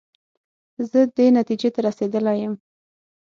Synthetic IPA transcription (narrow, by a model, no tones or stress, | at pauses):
zəd̪enat̪id͡ʒet̪aɾased̪əlajəm